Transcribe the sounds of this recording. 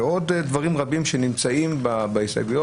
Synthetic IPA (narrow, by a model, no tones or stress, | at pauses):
o̞ddvaʁimʁabimʃenimt͡saimbabaisa̰ɡujo